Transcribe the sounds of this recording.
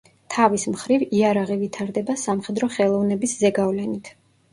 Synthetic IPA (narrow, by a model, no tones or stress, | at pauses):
t̪ʰavismχɾiviaɾaʁivit̪ʰaɾd̪ɛbasamχɛd̪ɾɔχɛlˠɔvnɛbiszɛɡavlɛnit̪ʰ